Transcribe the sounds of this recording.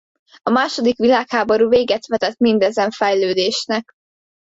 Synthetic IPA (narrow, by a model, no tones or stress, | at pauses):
ɒmaːʃo̞d̪ikʋilaːkhaːbo̞ɾuːveːɡɛt̪ʋɛt̪ɛt̪mind̪ɛzɛɱfɛjløːd̪eːʃnɛk